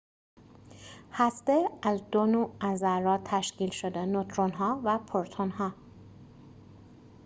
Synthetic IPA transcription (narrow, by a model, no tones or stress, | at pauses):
hæst̪eæzd̪onoːæzæɾɾɒːt̪ʰæʃciːlʃod̪enot̪ʰɾonɦɒːvæpʰoɾt̪ʰonhɒː